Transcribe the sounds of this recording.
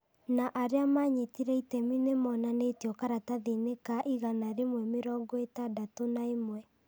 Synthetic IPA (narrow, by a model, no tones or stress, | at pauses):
naʔaɾeamaɲetiɾɛitɛminemɔnanetjɔkaɾataðenekaʔiɣanaɾemwɛmeɾɔːŋɡɔetadatonaemwɛ